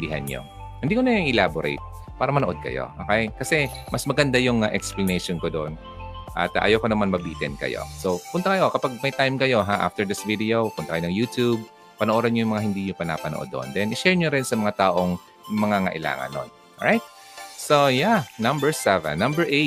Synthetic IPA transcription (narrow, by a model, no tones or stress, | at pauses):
biɦɐ̰nɲo̰ | hɪnd̪iːkonɐŋʔɪlaboɾḛjt̪̚ | paːɾɐmɐnoʔo̞d̪̚kɐ̰jo̰ʔo̰ːkejkɐsɛmʔɐsmɐɡɐnd̪ajʊŋɐʔɛ̰ksplɐnɛjʃonkod̪oʔn | ʔɐ̰t̪ʔɐ̰jowkonɐmanmɐbiːt̪ɛnkɐ̰jo̰sopʊnt̪ɐkɐjoʔkɐpaɡ̚mɐjt̪ajmkɐjo̞ɦaʔa̰ft̪ɛɹd̪ɪsvid̪ɛowpʊnt̪ɐkɐjonɐŋjuːt̪ub̚ | pɐnoʔoːd̪ɐnɲojʊŋmɐŋahɪnd̪iːɲʊpɐna̰pɐno̰ʔod̪ːo̰ʔo̰nd̪ɛnʔɪʃɛɹɲoɾɪnsɐmɐŋat̪aːʔoŋ | mɐŋaŋɐ̰ʔɪla̰ːŋɐ̰nːo̰n | o̰ɹajt̪̚ | sojanɐ̃mbɛɹsɛvɛ̰nːɐmbɛɹʔe